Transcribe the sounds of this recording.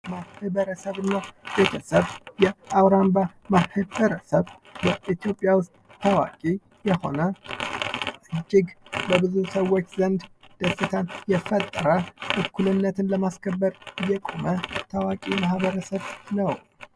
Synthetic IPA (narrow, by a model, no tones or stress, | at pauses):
mahɨbəɾəsəβɨnːab̥e̞t̪ʰəsəβjɛʔawɾambamahɨbəɾəsəβ | bəʔit̪ijo̞pʼːjawʊst̪̚ʼːʰəwa̰kʼi | jɛho̞̰nə | ʔɨd͡ʒːɪɡbəbɨzusəwːot͡ʃːzənd̪d̪̥əsɨt̪ʰanjɛfət̪ʼːəɾəʔɨkːulɨnːət̪ʰɨnləmaskʰəbːəɾɨjːɛkʼomət̪ʰəwakʼimahβəɾəsəβnəw